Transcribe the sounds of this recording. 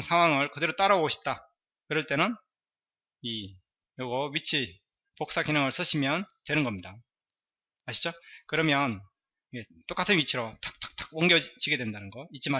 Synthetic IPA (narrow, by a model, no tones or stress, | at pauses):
nsʰaŋɦwaŋɯɭkɯdeɾot͈aɾaɡoɕʰi̥p̚t͈a | kɯɾʌɭt͈e̞nɯn | i | joɡʌɥit͡ɕʰi | pok̚s͈akinɯŋɯɭs͈ʰɯɕʰimjʌntwe̞nɯnɡʌmɲida | maɕʰi̥d͡ʑokɯɾʌmjʌn | iɡet͈ok͈atʰɯnɥit͡ɕʰiɾot͈ak̚t͈ḁk̚t͈ḁk̚wʌŋɡjʌt͡ɕiɡe̞dwendanɯnɡʌit͡ɕ͈ima